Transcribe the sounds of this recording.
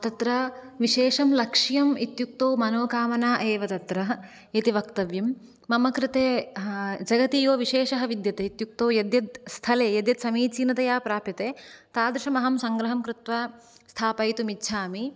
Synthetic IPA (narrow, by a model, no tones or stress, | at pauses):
t̪ɐt̪ɾɐ | ʋiʃeːʂɐmlɐkʂijɐmit̪juk̚t̪oːmɐnoːkaːmɐnaːʔeːʋɐt̪ɐt̪ɾɐɦɐ | it̪iʋɐkt̪ɐʋjɐmː | ɐmɐkɾɪt̪eː | d͡ʒɐɡɐt̪iːjoːʋiʃeːʃɐɦɐʋid̪jɐt̪eit̪juk̚t̪oːjɐd̪jɐt̪̚st̪ʰɐleːjɐd̪jɐt̪sɐmiːt͡ʃiːnɐt̪ɐjaːpɾaːpjɐt̪eːt̪aːd̪ɾɪʃɐmɐɦɐmsɐŋɡɾɐɦɐmkɾɪt̪ʋɐ | st̪ʰaːpɐjt̪umitːʃʰaːmi